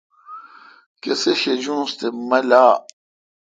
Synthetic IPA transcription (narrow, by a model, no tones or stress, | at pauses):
keseɕed͡ʑũːst̪emɐlaː